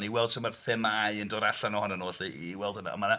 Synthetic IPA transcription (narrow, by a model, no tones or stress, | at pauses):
niwɛlˠd̥sʰəmərfɪmajəndoːdaɬanɔhɔnənoːɬiiwɛlˠdəna̰ə̰manə